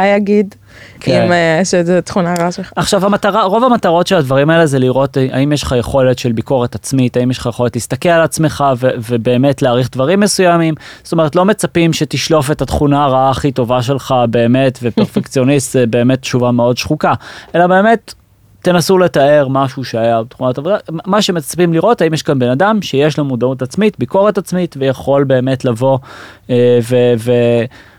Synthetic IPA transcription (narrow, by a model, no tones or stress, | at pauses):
ajaɡid̪ | kʰimʃezet̪χunaʁaaʃelχaaχʃavhamat̪aʁaʁo̞vamat̪aʁo̞tʃeladvaʁimaelezeliʁo̞ta̰imjeʃχajeχo̞le̞tʃe̞lbiko̞ʁetat͡smitaimjeʃχajeχo̞le̞tlist̪akelalat͡sme̞χavevebe̞ːme̞tleːʁiχd̪vaʁimːe̞sujamimzo̥tome̞ʁet̬lome̞t͡sapimʃe̞tiʃlo̞fe̞tat̪χunaːʁaaːχito̞vaʃe̞lχabe̞ːme̞tvepeʁfekt͡sio̞nist̪zebe̞ːme̞tʃuvameo̞dʃχukaʔe̞labe̞ːme̞t̪ː | e̞nasule̞tae̞ʁmaʃuʃeajabet̪χunatavodamaʃemet͡sḁpimliʁo̞taimjɛʃkanbe̞nadamʃejeʃlomud̪autat͡smitbiko̞ʁetat͡smitvejaχo̞lbe̞ːme̞tlavo̞ | veve